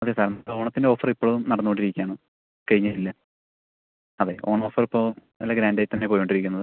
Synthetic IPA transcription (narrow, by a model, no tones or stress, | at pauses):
ɐðesaːɾɐnɐo̞ːɳɐt̪ːindeo̞ːfɐripːoːɭuumnɐɽɐnːukoɳɖiɾikʲːaːɳɨ | kɐɻiɲːɐtilːɐ | ɐðe̞o̞ːɳɐo̞ːfɐripːoː | ɐlːɐɡɾaːndaːjitːt̪ɐnːe̞pojoɳɖiɾikʲːunːɐðɨ